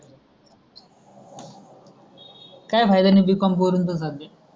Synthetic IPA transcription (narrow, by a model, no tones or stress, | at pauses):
kajbʱajd̪anibikɔmp̬oɾunt̪ozabe